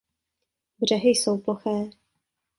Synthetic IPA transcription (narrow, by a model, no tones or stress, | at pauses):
br̝̥ɛɦɪjso̞wploxɛː